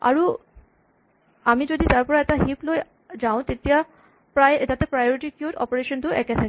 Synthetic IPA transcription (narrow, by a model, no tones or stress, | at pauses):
a̰ɾu | amid͡ʑod̪ʱit̪aɾpɔɾɛʈaɦiploe | d͡ʑaw̃t̪et̪ia | pɾaet̪at̪epɾajoɾiʈikjuʈɔ̰poɾeʃond̪uʔɛ̰ket̪ʰake